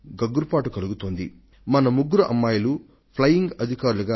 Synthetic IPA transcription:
ɡɐɡːuɾupaːʈukɐluɡut̪oːnd̪ḭ | mɐnɐmuɡːuɾuʔɐ̰mːaːjɐlu | pʰlɐjːiŋɡɐd̪ʱikaːɾuluɡaː

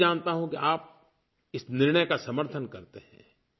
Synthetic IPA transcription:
d͡ʒaːnt̪aɦũkiʔaːp̚ | ɪsnɪɾɳ̃əjkasɐməɾt̪ʰənkɐɾt̪eɦɛ̰̃ː

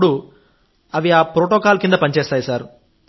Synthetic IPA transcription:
ɽu | ɐʋiaːpɾoʈoːkaːlkind̪ɐpɐnit͡ʃɛːst̪aːjusaːɾu

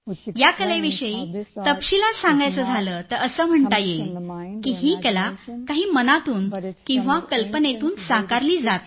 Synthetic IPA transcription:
jakəleʋiʂəit̪əpɕilasãŋɡajt͡səːd͡zʱaləːt̪əɾəsəːm̤əɳt̪ajekiːɦiːkəlakaɦiːmənat̪uːnkĩw̃ʋakəlpənet̪uːnsakaɾliːd͡zat̪̚

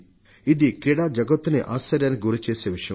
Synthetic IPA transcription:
id̪ikɾiɽaːd͡ʒɐɡɐt̪ːuniʔaːst͡ʃːɐɾjaːnikiɡuɾut͡ʃeːseːʋiʂɐjɐ

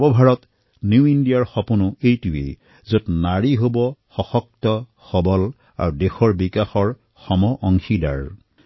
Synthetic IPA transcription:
bɔbʱaɹɔt | njuindijaɹxɔpunʊejtuwḛ | zotnaɹiɦobɔxɔxɔk̚tɔ | xɔbɔl | a̰ɹudexɔɹbikaxɔɹ | xɔmɔʔɔŋxida̰ɹ

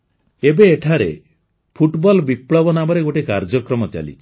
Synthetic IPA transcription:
ebeːʈʰaɾe | pʰuʈbɔlbipɭɔbɔnamɔɾeɡoʈekaɾd͡ʒɔkɾɔmɔt͡ʃa̰lḭt͡ʃʰi̥

